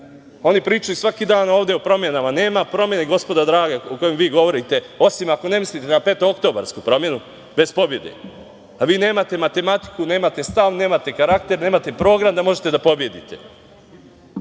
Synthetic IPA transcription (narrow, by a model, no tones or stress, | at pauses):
o̞nipɾiːt͡ʃajusʋakid̪aːno̞ːʋd̪e̞o̞pɾo̞mje̞namane̞ːmapɾo̞mje̞niɡo̞spo̞d̪ad̪ɾaːɡaoko̞jemʋiːɡo̞ʋo̞ɾit̪e̞o̞simako̞ne̞mislit̪enape̞ːt̪ookt̪o̞ːba̰ɾskupɾo̞mje̞nu | be̞spo̞bje̞d̪ḛ | aʋiːne̞ːmat̪e̞mat̪e̞mat̪i̥kune̞ːmat̪e̞st̪aʋne̞ːmat̪e̞kaɾakt̪e̞ɾne̞ːmat̪e̞pɾo̞ːɡɾamd̪amo̞ʒet̪e̞d̪apo̞bje̞d̪ḭt̪e̞